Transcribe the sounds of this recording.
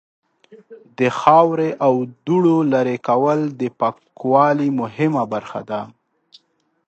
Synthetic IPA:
d̪əxɑwɾeʔawd̪uɽolaɾekawəld̪əpakwɑlimʊɦɪmabaɾxa̰d̪a

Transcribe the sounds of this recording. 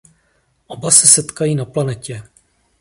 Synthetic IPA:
ʔobasɛsɛt̪kajiːnaplanɛcɛ

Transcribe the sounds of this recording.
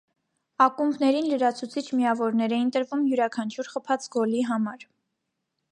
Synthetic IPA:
ɑkumbnɛɾinləɾɑt͡sʰut͡sʰit͡ʃʰmijɑvɔɾnɛɾɛjint̪əɾvumjuɾɑkʰɑnt͡ʃʰuɾχəpʰɑt͡sɡɔliɦɑmɑɾ

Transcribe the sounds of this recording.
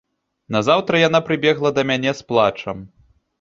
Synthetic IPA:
nɐzawt̪ɾɐjanapɾɨbʲɛɣlˠɐd̪ɐmʲanʲɛsplˠat͡ʂɐm

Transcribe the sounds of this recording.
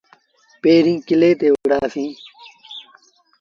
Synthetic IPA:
peːɾĩːkileːt̪eːʋuɽaːsĩː

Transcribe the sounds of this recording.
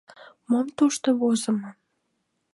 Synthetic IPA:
momt̪uʃt̪oβozə̆mə

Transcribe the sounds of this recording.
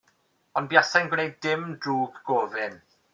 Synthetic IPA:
ɔnbjasajnɡwnejddɪmdruːɡɡɔːvɪn

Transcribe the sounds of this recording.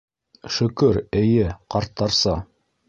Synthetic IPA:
ʃɵ̆kɵɾɘ̆jɘqɑɾt̪ːɑɾsɑ

